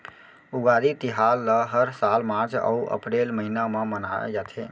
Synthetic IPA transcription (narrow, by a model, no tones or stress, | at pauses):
uɡaɾit̪iɦalːəɦəɾsalmãt͡ʃə̰uʔə̰pɾelməɦinamemənaḛd͡ʒat̪ʰe